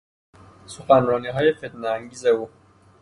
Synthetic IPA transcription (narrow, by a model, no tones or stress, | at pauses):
soxænɾɒːniːɦɒːjefet̪neæŋɟiːzeuː